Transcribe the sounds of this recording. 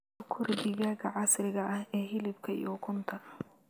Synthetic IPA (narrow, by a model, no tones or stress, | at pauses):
kʰʊrbɪɣaːɣɐʕɑsrɪɣɐʔɐhɛːɦɪlɪb̚kʰɐḭjʊkʰʊnt̪ʰɐ